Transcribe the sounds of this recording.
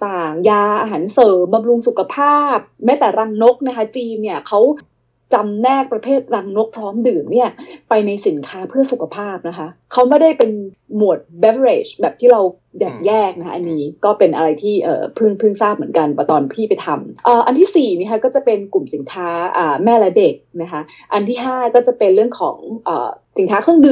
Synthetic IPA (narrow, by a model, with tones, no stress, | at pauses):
t̪aː˨˩ŋjaː˧ʔaː˧ɦaː˩˦nsɤː˨˩mba˧mɾu˧ŋsu˨˩kʰa˧pʰaː˥˩p̚mɛː˦˥t̪ɛː˨˩ɾa˧ŋno˦˥k̚na˦˥kʰa˦˥t͡ɕiː˧mni˥˩ɐkʰa˦˥w | t͡ɕa˧mnɛː˥˩k̚pɾa˧pʰeː˥˩t̪̚ɾa˧ŋno˦˥k̚pʰɾɔː˦˥mdɯː˨˩mni˥˩ɐpa˧jna˧jsi˩˦nkʰaː˦˥pʰɯ˥˩əsu˨˩kʰa˧pʰaː˥˩p̚na˦˥kʰa˦˥kʰa˦˥wme˥˩da˥˩jpe˧n | mu˨˩ət̪̚bɛ˦˥fɾeː˨˩t͡ɕbɛː˨˩p̚t̪ʰiː˥˩ɾa˧w | dɛː˨˩k̚jɛː˥˩k̚na˦˥ʔa˧nːiː˦˥kɔː˥˩pe˧nʔa˧ɾa˧jt̪ʰiː˥˩ʔɤ̰ː˨˩pʰɯ˥˩ŋpʰɯ˥˩ŋsaː˥˩p̚mɯ˩˦ənka˧npɔ˧˩t̪ɔː˧npʰiː˥˩pa˧jt̪ʰa˧mʔɤː˨˩ʔa˧nt̪ʰiː˥˩siː˨˩ni˥˩kʰkɔː˥˩t͡ɕa˨˩pe˧nku˨˩msi˩˦nkʰaː˦˥ʔaː˨˩mɛː˥˩la˦˥de˨˩k̚na˦˥kʰa˦˥ | ʔa˧nt̪ʰiː˥˩ɦaː˥˩kɔː˥˩t͡ɕa˨˩pe˧nɾɯ˥˩əŋkʰɔ̰ː˩˦ŋʔə̰ː˨˩si˩˦nkʰaː˦˥kʰɯ˥˩əŋdɯ˨˩